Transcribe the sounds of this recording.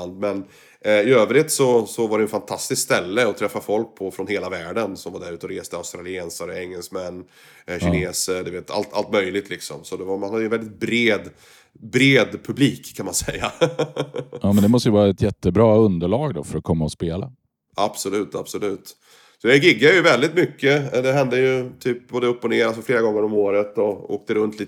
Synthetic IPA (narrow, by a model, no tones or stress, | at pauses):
nd̪̚mɛn | ɪøːvɾɪt̪sɔsɔvaɾɖɛjɛnfant̪ʰast̪ɪskst̪ɛlːəɔt̪ʰɾɛfːafɔlk̚pʰɔfɾɔnheːlavæːɖənsɔmvaɖæɾʉ̟ːt̪əɔɾeːst̪əaʊst̪ɾalɪeːnsəɾɛŋːɛlsmɛnː | ɕɪneːsəɖ̪ʉveːt̪ʰa̰lt̪ʰa̰lt̪mœjlɪɡt̪ʰlɪksɔ̰msɔd̪ɛvamanhad̪əjəɛvɛlɪt̪̚bɾeːd̪ | bɾeːd̪pʰɵbliːkʰːanmansɛjːa | ɑːmɛnd̪ɛmɔst̪əjəvɑːɾaɛt̪jɛt̪ːəbɾɑːɵnd̪əɭɑːɡd̪ɔ̰fœɾɔkʰɔmːaɔspeːla | ab̥sɔlʉ̟ːt̪absɔlʉ̟ːt̪ | sɔd̪ɛɡɪɡːajɵvɛld̪ɪt̪mʏkːəd̪ɛɦɛnd̪əjɵt̪ʰyːp̚boːd̪ɛɵpːɔneːɾalsɔfleːɾaɡɔŋːəɾɔmoːɾət̪ɔo̰ːk̚t̪əɾɵnt̪ʰliː